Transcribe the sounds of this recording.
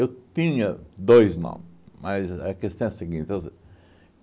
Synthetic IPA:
ewt̪ĩɲɐd̪ojznõ̰mmɐzɐkest̪ɐ̃w̃ɛɐseɡĩt̪oze

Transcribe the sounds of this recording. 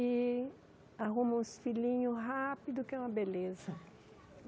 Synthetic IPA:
ɪ | aɦũmɐ̃ũsfilĩɲʊɦapid̪ʊkɪɛũmɐbelezɐ

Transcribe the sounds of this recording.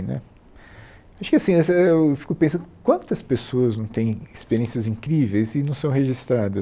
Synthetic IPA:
nɛ̰ | aʃʊ̥kɪasĩɛsɐeewfi̥kʊpẽsɐ̃nd̪ʊkwɐ̃nt̪ɐspesoɐznɐ̃w̃t̪ẽj̃ɪspeɾiẽsiɐzĩkɾivejzɪnɐ̃sɐ̃w̃ɦeʒist̪ɾad̪ɐ

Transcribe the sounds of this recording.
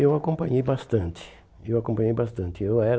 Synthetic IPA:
ewakõmpɐ̃ɲejbast̪ɐ̃nt̪ɪ̥ | ewakõmpɐ̃ɲejbast̪ɐ̃nt̪ɪewɛɾ

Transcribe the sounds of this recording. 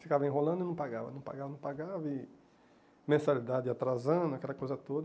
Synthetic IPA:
fikavɐẽɦolɐ̃nd̪ɪnɐ̃w̃paɡavɐ̰nɐ̃w̃pa̰ɡavɐnɐ̃w̃paɡavɐi | mẽsalid̪ad͡ʒɪat̪ɾazɐ̃d̪ʊakɛlɐkojzɐt̪od̪ɐ

